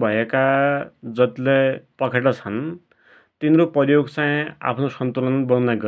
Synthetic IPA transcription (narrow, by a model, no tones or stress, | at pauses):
bʱʌjekad͡zʌt̪lepʌkʰeʈʌt͡sʰʌn | t̪inɾopʌjoɡt͡saj̃a̰pʰnosʌnt̪ulʌnbʌnunaɡʌ